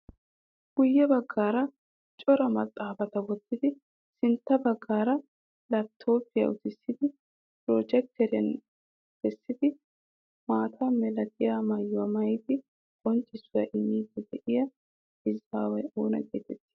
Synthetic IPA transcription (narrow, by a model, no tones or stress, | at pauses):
ɡ̥ʊjːɛbɐɡːaːɾɐ | t͡ʃʼɔɾɐmɐt̪ʼːaːbɐt̪ɐwɔt̪ːɪd̪ɪ | sɪnt̪ːɐbɐɡːaːɾɐ | lɐt̪ʰːo̞ːpɪjɐ̰ʔʊt̪ɪsːɪd̪ɪ | pɾoːd͡ʒɛk̚t̪ɛɾɐ̰n | b̥ɛsːɪd̪ɪ | maːt̪ʰɐmɛlɐt̪̚ɪjamɐjːʊɐmɐjt̪ɪ | ɡʼɔnt͡ʃʼːɪsːʊjɐ̰ʔɪmːiːd̪ɛd̪ɛʔɪjɐ | ɪzaːwɐoːnɐ̰ɡḛːt̪ɛt̪ːɪ̥